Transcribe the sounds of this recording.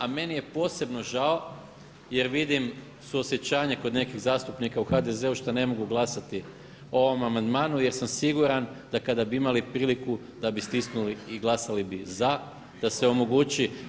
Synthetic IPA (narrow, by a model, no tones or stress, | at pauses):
ame̞nije̞po̞ːse̞bno̞ʒao | je̞ɾʋid̪im | suosje̞t͡ɕaːɲekod̪ne̞kiɣzaːst̪upnikauxad̪e̞ze̞uʃt̪ane̞mo̞ɡuɡlˠasat̪i | o̞ʋo̞mamand̪maːnuje̞ɾsamsiɡuɾand̪̥akad̪abiimalipɾiːliku | d̪̥abist̪isnuliːɡlˠasalibiza | d̪̥ase̞o̞mo̞ɡut͡ɕi